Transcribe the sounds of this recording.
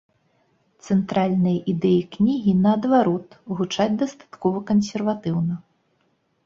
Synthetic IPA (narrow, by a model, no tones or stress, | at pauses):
t̪sɛnt̪ɾalʲnɨjɐʔid̪ɛjiknʲiɣʲinɐːd̪vaɾɔt̪ɣut͡ʂad͡zʲd̪ɐst̪ḁt̪kɔvɐkɐnsʲɛrvat̪ɨwnɐ